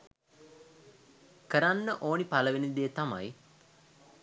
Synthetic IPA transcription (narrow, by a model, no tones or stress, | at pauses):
kəɾanːəʔoːnipaləʋenid̪eːt̪ama̰j